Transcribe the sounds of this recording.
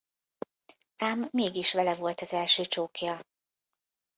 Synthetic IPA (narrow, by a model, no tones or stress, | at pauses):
aːmːeːɡiʃʋɛlɛvo̞lt̪ɒzɛlʃøːt͡ʃoːkjɒ